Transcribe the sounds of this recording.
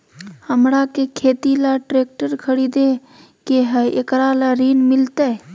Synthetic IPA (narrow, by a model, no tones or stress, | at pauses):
həmɾakekʰeːt̪ilaʈɾeːk̚ʈəɾkʰəɽid̪e | keɦəekɾalaɾiːnmɪlt̪e